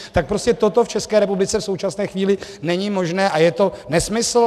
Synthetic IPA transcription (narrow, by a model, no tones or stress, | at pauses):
t̪ak̚pɾo̞scɛt̪o̞t̪o̞ft͡ʃɛskɛːɾɛpublɪt͡sɛfso̞wt͡ʃasnɛːxviːlɪnɛɲɪmo̞ʒnɛːʔajɛt̪o̞nɛsmɪsl̩